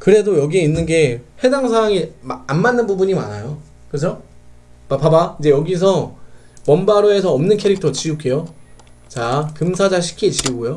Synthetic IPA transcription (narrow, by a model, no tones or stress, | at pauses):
kɯɾe̞dojʌɡieinːɯnɡe̞he̞daŋs̬ʰawaŋianmanːɯnbubuɲima̰najo | kɯt͡ɕʰo | papabaid͡ʑe̞jʌɡis̬ʰʌ | wʌnbaɾoe̞sʰʌːmnɯnkʰe̞ɾik̚tʰʌt͡ɕiuk͈e̞jo | t͡ɕakɯmsʰad͡ʑaɕ̬ʰi̥kʰit͡ɕiuɡojo